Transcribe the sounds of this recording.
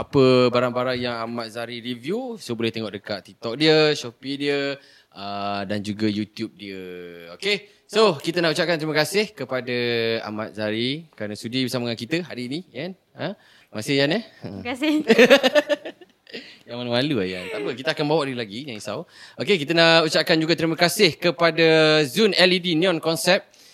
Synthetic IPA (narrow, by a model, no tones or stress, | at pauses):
apəbaɾaŋbaɾaŋjaŋamat̪̚zaɾiɾivjusobolɛht̪eŋɔʔdəkat̪ːit̪ɔk̚diəʃɔpidiə | ədand͡ʒuɡəjut̪jup̚diəoke | sokit̪ənaʔut͡ʃap̚kant̪ɾiməkasɪhkəpadaa̰mat̪̚zaɾikəɾanasudibəsaməŋankit̪əɦa̰ɾiːnĩjan | ə | masɪhjanɛəasɪ | jaŋmanəwalua̰ja̰nt̪apəkit̪əakanbawaʔdiəlaɡiɲaŋisa̰wokekit̪ənaut͡ʃaʔ̚kand͡ʒuɡat̪ɾiməkasɪhkəpadazunɛlidiniɔnkɔnsɛp̚